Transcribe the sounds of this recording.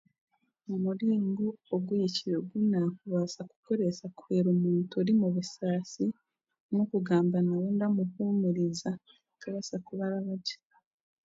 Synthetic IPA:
omuɾiːŋɡuoɡwujiciɾeɡunakuβaːsaku̥ko̞ɾe̞sakweːɾomuːntuɾimuβusaːsi | nokuɡaːmbanawuːndamuhumuɾiza | kaβasakuβaɾaβaɟi̥

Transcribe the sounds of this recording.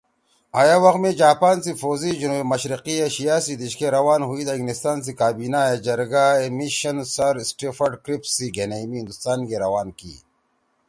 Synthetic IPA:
aːjawɐxmẽd͡ʑaːpaːnsifoːzid͡ʑunumɐɕɾiqieɕijaːsid̪iʃkeɾɐwaːnɦuid̪ɐĩŋnist̪aːns̬ikaːbiːnaed͡ʑɐɾɡaemiɕɐnsɐɾsʈeːfɐɖkɾipsiɡenemiɦɪnd̪ust̪aːnkeɾɐwaːnkḭː

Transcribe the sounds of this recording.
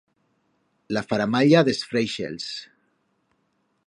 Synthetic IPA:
lafaɾamaʎaðesfɾejʃḛls

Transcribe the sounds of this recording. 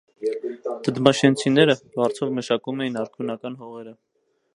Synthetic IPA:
t̪əd̪mɑʃɛnt͡sʰinɛɾəbɑɾt͡sʰɔvməʃɑkumɛjinɑɾkʰjunɑkɑnɦɔʁɛɾə

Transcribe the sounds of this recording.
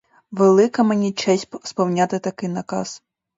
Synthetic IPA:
ʋelˠɪkɐmenʲit͡ʃɛsʲspɔwnʲat̪ɪt̪ɐkɪjnɐkɑz

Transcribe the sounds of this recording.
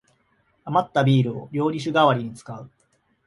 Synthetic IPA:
amat̪ːabʲiːɾɯ̟o̞̰ɾʲo̞ːɾʲiɕ̬ɨɡaβaɾʲiɲ̟it͡sɨ̥kaɯ̟

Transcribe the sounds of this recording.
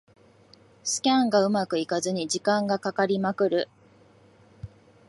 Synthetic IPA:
sɨ̥kʲãŋɡaɯ̟makɯ̟ikazɨɲ̟id͡ʑikãŋɡakakaɾʲimakɯ̟ɾɯ̟

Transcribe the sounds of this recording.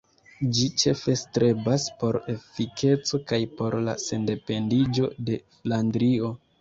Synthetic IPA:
d͡ʒit͡ʃe̞fe̞stɾe̞baspo̞ɾe̞fikʰe̞t͡so̞kajpo̞ɾla̰se̞nde̞pe̞ndid͡ʒo̞̰de̞flandɾio̞

